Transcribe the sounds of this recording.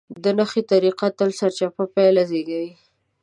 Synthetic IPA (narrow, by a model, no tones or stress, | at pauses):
d̪ənaxet̪aɾiqat̪əlsaɾt͡ʃapapajlazeɡawi